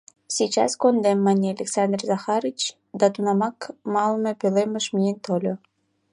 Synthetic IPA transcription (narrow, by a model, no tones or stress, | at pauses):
sʲit͡ɕɑ̰skond̪emːɑnʲealʲeksɑnd̪rʲzɑxɑɾit͡ɕ | d̪ɑt̪unɑmɑkmɑlmĕpʲølemʲĕʃmʲijenʲt̪olʲo